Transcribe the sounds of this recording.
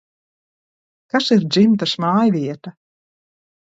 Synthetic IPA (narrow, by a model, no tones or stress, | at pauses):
kasiɾd̪zimt̪asmaːjvʲiɛt̪a